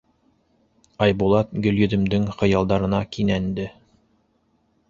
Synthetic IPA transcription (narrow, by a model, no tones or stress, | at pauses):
ɑjbulˠɑt̪̚ɡɵ̆ljɵ̆d̪ɘ̆md̪ɘŋχɤ̆jɑlˠd̪ɑɾɤ̆nɑkinænd̪ɘ